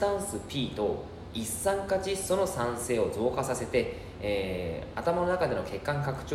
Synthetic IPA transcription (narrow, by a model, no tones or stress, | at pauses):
t̪ãɰ̃sɨpʲiːt̪o | isːãŋkat͡ɕiso̞no̞sãɰ̃se̞ːo̞zo̞ːkasase̞t̪e̞ | eat̪amano̞nakad̪e̞no̞ke̞kːãŋkakɯ̟̥t͡ɕo